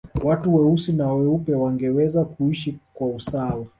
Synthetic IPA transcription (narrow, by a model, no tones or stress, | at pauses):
watuwɛusinawɛupɛwaŋɡɛwɛzakuiʃikwausawa